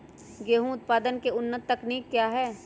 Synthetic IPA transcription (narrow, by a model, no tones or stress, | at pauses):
ɡeːɦũʊt̪̚paːd̪ənkeʊnːət̪ːɐkniːkːjaːɦɛː